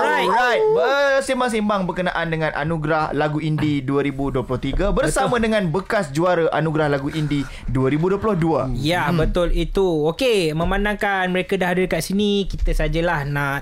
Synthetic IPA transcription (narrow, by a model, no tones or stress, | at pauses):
ajaəsimaŋsimbaŋbərkənaʔandəŋãnʔa̰nũɡɾahlaɡuindiduaɾibuduəplʊht̪iɡabərsamə̃dəŋãnbəkasd͡ʒuaɾəʔanuɡɾahlaɡuʔindi | duaɾibuduəplʊhduajabbət̪ʊlit̪uokemə̃mandãŋkanməɾekadaɦadilkaʔsinikit̪əsad͡ʒəlahna